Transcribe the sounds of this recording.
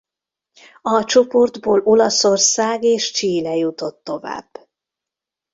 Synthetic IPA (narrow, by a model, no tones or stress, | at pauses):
ɒt͡ʃo̞po̞rd̪boːlo̞lɒso̞rsaːɡeːʃt͡ʃiːlɛjut̪o̞t̪ːo̞va̰ːb̥ː